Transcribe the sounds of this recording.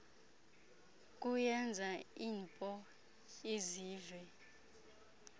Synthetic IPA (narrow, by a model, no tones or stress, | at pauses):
k̬ʼujɛnd͡zʱaiːnpʼɔ | eziːvwɛ